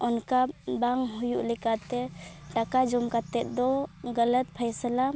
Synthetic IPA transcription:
ɔnkabaŋɦujuʔlikat̪ɛʈakad͡ʒɔmkat̪ɛʔd̪ɔɡələt̪̚pʰəjsla

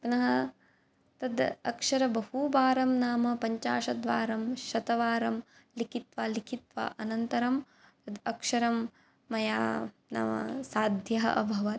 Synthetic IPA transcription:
pnɐɦɐ | t̪ɐd̪ɐkʂɐɾɐbɐhubaːɾɐmnaːmɐpɐɲt͡ʃa̰ːʃɐd̪ʋaːɾɐmʃɐt̪ɐʋaːɾɐm | likʰit̪ʋaːlikʰit̪ʋa̰ʔɐnɐnt̪ɐɾɐm | t̪ɐd̪ɐkʂɐɾɐmː | ɐjaː | na̰ːmɐ̰saːd̪ʱjɐɦɐ̰ʔɐbʱɐʋɐt̪

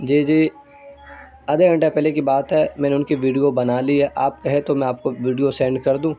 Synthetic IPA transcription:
d͡ʒiːd͡ʒiː | ɐd̪eɡʱɐ̃ɳʈepɛɦlekibaːt̪ɦɛːmɛ̃ːneʊnkiʋiːɖijobɐnaːliɦɛʔaːp̚kɐɦet̪omɛ̃aːp̚koʋiːɖijosɛ̃ːɳɖkɐɾd̪ũː

